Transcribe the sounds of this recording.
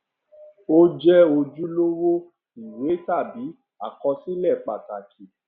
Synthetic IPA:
o˦d͡ʒɛ˦o˧d͡ʒu˦lo˦wo˦ | i˨we˨˦ta˦˨bi˨˦ | a˦˨kɔ˧si˦lɛ˦˨k͡pa˨ka˨ki˨

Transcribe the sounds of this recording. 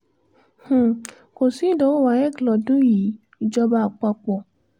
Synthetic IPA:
h̩˨ | ko˨sĩ˨˦dɔ̃˨˦o˦wa˨˦ɛ˦˨klɔ˨dũ˦ji˨˦ | i˨d͡ʒɔ˧ba˦˨k͡pa˧k͡pɔ˨

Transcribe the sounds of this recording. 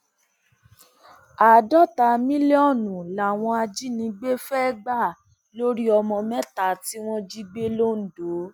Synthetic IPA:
a˨dɔ˦ta˧˨mĩ˦le˦ɔ˦˨nũ˨la˨w̃ɔ̃˧a˧d͡ʒi˦nĩ˧ɡ͡be˦fɛ˦ɡ͡ba˦˨ | lo˦ɾi˦ɔ˧mɔ̃˧mɛ̃˦ta˨ti˦w̃ɔ̃˦d͡ʒi˦ɡ͡be˦lo˦n̩˨do˨˦

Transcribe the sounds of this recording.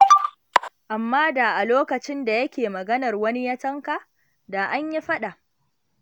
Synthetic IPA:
ʔa˨mːaː˦da˨ʔa˨loː˦kɐ˨t͡ʃɪ˦nda˨jɐ˦kʲeː˨mɐ˨ɡɐ˦nɐ˨rwɐ˦ni˦jɐ˦tɐ˦ŋka˨ | da˨ʔa˦ɲji˦ɸɐ˦ɗa˨ʔ

